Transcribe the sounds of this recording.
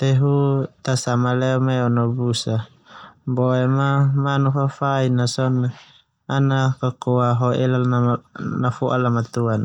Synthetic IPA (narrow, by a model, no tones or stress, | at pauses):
t̪ɛɦut̪asamalɛɔmaɔnɔbusa | bɔɛmamanufafainasɔna | anakakoaɦɔɛlalnanafɔʔalamat̪uan